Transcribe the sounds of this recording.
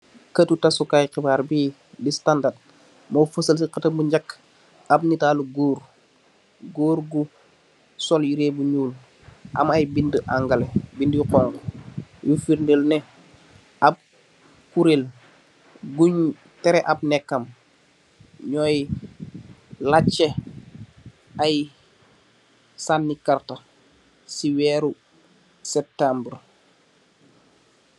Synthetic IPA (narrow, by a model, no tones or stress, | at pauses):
kətutasukajqibaːɾbi | distandad̚ | mofəsəls̬iqɐtɐmbuɲɟakː | ab̚nitaːluɡoːɾ | ɡoːɾɡu | sɔljiɾeːbuɲuːl | ʔa̰majbindəʔaŋɡalebindiqɔːŋkjufiɾndəlnɛ | ʔab̚ | kuɾel | ɡuɲ | tɛɾɛʔab̚nɛkːɐm | ɲɔj | lat͡ʃːe | aj | sanːikarta | siwɛːɾu | sɛp̚tambəɾ